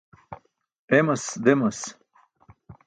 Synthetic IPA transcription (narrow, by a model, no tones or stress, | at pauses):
emɐsd̪emɐs